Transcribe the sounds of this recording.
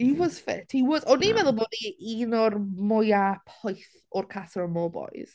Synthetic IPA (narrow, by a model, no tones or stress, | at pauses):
iwɔz̥fɪ̰tʰhiwɔzɔnimɛðəlˠbɔdiinɔrmɔjapʰɔjθ | ɔrkʰasɔɾmɔːbɔ̰jz̥